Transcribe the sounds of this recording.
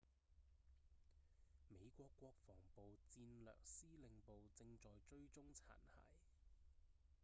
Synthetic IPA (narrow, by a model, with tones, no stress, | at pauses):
me˨˧jkʷɔː˧kːʷɔː˧k̚fɔː˨˩ŋpo˨wt͡siː˧nlœ̰ː˨k̚siː˥lɪ˨ŋpo˨wt͡sɪ˧ŋt͡ʃɔː˨jt͡ʃɵ˧ɥt͡sʊ˥ŋt͡sʰa̰ː˨˩nhɐ̰ː˨˩j